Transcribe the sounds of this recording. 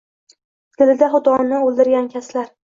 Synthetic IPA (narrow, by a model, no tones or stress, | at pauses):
t̪ʰɪlɪd̪aɦʊd̪ɒnɪolˠd̪ɪɾɡʲankʲʰaslaɾ